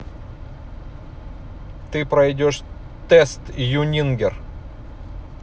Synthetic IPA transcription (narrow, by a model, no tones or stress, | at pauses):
t̪ɨpɾɐjdʲoʂ | t̪ɛst̪junʲinɡʲɪr